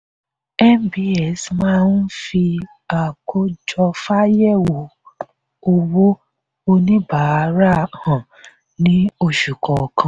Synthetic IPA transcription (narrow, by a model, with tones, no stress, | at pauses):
ɛ˦mbi˨˦ɛ˨smã˦n̩˦fi˧ | a˨kʰo˦d͡ʒɔ˧fa˦jɛ˦˨wo˨ | o˧wo˦ | o˧nĩ˦ba˨˦ɾa˦˨hã˨ | nĩ˨˦o˧ʃu˨kɔ˨kʰã˨˧˨